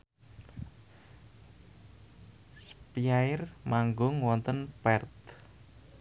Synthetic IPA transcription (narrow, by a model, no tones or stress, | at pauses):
spiaɪrmaŋɡʊŋwɔnt̪ənpɛrt̪